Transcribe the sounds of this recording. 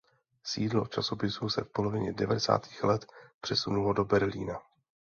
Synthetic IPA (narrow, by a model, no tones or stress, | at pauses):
siːdlo̞t͡ʃaso̞pɪsusɛfpo̞lo̞vɪɲɛdɛvadɛsa̰ːt̪i̥ːxlɛt̪pr̝̥ɛsunulo̞do̞bɛɾliːna